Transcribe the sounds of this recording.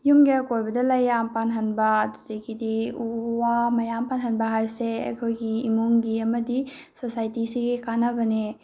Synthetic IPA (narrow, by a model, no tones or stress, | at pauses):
jumɡekojbɐdɐlɐjːampanɦɐnbɐdutekʰːidiuwamɐjampanɦɐnbɐɦaɾseɐ̰kʰojɡiːmuŋɡiɐmɐdisosajtisiɡikanɐbɐne